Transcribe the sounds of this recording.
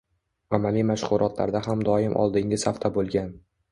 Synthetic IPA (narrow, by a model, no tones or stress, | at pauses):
amalimaʃχʊɾʔɒt̪la̰ɾd̪aɦamd̪ɒɪmʔɒ̰lˠd̪ɪŋʲɪsaft̪ʰabolˠɡʲan